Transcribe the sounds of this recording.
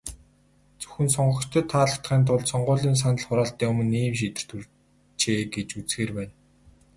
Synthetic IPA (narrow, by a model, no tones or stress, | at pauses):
t͡sɵ̥xɘ̆nsɔɴɢɞ̆t͡ɕt̪ʰə̆t̪ʰːaːɮə̆t̪χiːnt̪̬ʰʊɮsɔɴɢʊːɮiːns̬anə̆ɮχʊɾaːɬt̪iːŋɵmɵ̆nːiːmʃ̬it̪ɘ̥̆r̥t̪ur | t͡ɕeːɡet͡ɕut͡sxeːrpæːn